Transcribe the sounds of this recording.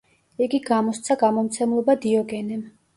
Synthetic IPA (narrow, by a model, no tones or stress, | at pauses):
iɡiɡamɔst̪sʰaɡamɔmt̪sʰɛmlˠɔbad̪iɔɡɛnɛm